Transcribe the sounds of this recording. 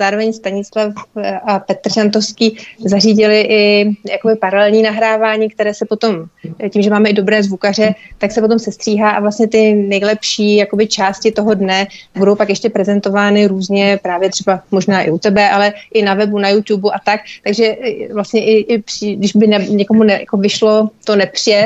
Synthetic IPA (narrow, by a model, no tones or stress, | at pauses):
zaːɾo̞vɛɲst̪aɲɪt͡slafapɛt̪r̩ʒant̪ofskiːzariːɟɪlɪʔɪjako̞bɪpaɾalɛlɲiːnaɦɾaːvaːɲiːk̚t̪ɛɾɛːsɛpo̞t̪o̞mciːmʒɛmaːmɛɪdo̞bɾɛːzvukar̝ɛt̪aksɛpo̞t̪̬o̞msɛst̪r̥iːɦaːʔa̰vlast̪ɲɛt̪ɪnɛjlɛpʃiːjakobɪt͡ʃaːscɪt̪o̞ɦo̞dnɛbudo̞wpakjɛʃcɛpɾɛzɛnt̪o̞vaːnɪɾuːzɲɛpɾaːvjɛt̪r̥ɛbamo̞ʒnaːʔɪ̰ʔut̪ɛbɛʔalɛʔɪnavɛbunajut̪ubuʔat̪akt̪aɡʒɛvlast̪ɲɛʔɪʔɪpridɪʒbɪnɛɲɛkomunɛja̰ko̞vɪʃlo̞t̪onɛpr̥ɪjɛ